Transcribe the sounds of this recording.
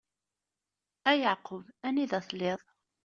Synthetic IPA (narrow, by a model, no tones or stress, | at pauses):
æjɑʕqʊvæniðæθleðˤ